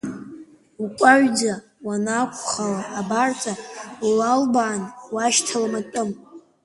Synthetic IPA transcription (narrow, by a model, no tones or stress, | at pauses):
ukʷʼaɥd͡za | wanakʷʰʼχalaʔːbart͡sʼalalbaːnwaʃtʰalamatʼɨm